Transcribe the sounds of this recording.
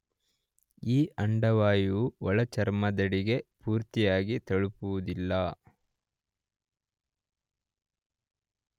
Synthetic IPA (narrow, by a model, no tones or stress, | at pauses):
iːʔɐɳɖɐʋaːjuɔɭɐt͡ʃɐɾmɐd̪ɐɽiɡe̞puːɾt̪ijaːɡit̪ɐɭupuʋud̪ilːɐ